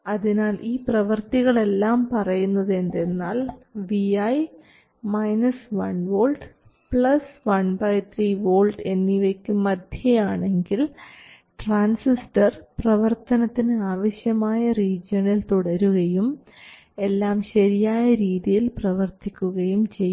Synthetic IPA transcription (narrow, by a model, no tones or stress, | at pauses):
ɐðinaːlʔiːprɐʋɐrt̪iɣɐɭe̞lːaːmpɐrɐjunːɐðe̞nde̞nːaːlʋiɐj | mɐjnɐsʋɐnʋoːlɖ | pɭɐsʋɐɳbɐjt̪ʰriːʋo̞ːlɖe̞nːiʋekʲːumːɐd̪ʱjɐjaːɳe̞ŋɡil | ʈraːnsisʈɐrprɐʋɐrt̪ɐnɐt̪ːinɨaːʋɐɕjɐmaːjɐriːd͡ʑjɐnilt̪uɽɐɾuɣɐjum | e̞lːaːmɕɐɾijaːjɐɾiːðijilprɐʋɐrt̪ikʲːuɣɐjumt͡ɕe̞jː